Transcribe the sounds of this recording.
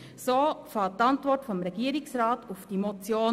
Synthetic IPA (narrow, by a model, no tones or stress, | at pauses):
soːfɑlt̚tɑntʋɔrtfɔmɾɛɡ̥iəɾɪksɾɑːtʊfd̥imɔt͡sjoː